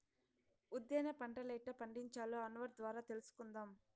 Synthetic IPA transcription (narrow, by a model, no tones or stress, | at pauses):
ud̪jeːnɐpɐɳʈɐlɐjʈɐpɐɳɖiɲt͡ʃaːloːɐnʋɐɾd̪ʋaːɾaːt̪elusu̥kund̪aːm